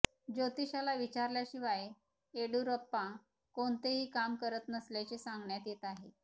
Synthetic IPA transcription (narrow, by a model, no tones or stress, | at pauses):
d͡ʑot̪iɕalaʋit͡ɕaɾljaɕiʋaj | eɽuɾəpːã | koɳt̪eɦiːkamkəɾət̪nəsljajt͡ɕesãŋɡɳjat̪jet̪aɦe